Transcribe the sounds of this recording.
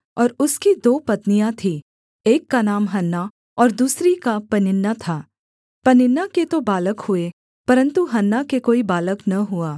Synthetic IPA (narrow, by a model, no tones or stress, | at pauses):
ɔːɾʊskid̪oːpɐt̪nijãt̪ʰi | eːkːanaːmɦɐnːa | ɔːɾd̪uːsɾikapɐnɪnːat̪ʰaː | pɐnɪnːaket̪obaːləkhʊe | pɐɾə̃nt̪uɦɐnːakekoːibaːləknɐɦʊaː